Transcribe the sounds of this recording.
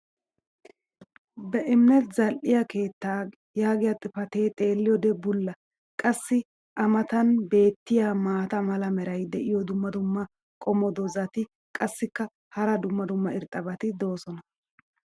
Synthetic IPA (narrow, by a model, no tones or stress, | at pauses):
bɛʔɪmɪnɛt̪zɐlʔɪjɐke̞ːt̪ːaː | jaːɡɪjɐt̪ʼɪfɐt̪e̞ːt̪ʼe̞ːlːɪjɔd̪ɛbʊlːɐ | kʼɐsːɪ | ʔɐmɐt̪ɐnbe̞ːt̪ːɪjamaːt̪ɐmɐlɐmɛɾɐjd̪ɛʔɪjɔd̪ʊmːɐd̪ʊmːɐ | kʼɔmɔd̪ɔzɐt̪ɪ | kʼɐsːɪkːɐ | hɐɾɐd̪ʊmːɐd̪ʊmːɐɪɾt̪ʼːɐbɐt̪ɪd̪o̞ːsɔnɐ